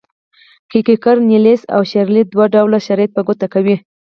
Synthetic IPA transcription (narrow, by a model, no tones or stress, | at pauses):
kikikaɾnilesa̰wʃaɾlid̪waɖawlaʃaɾɑjat̪̚paɡot̪akawi